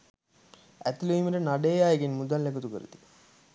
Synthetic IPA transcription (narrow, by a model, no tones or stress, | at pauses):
æ̰t̪iluʋiməʈənaɖeːjaːjeɡenmud̪alːekut̪ukəɾṵt̪i̥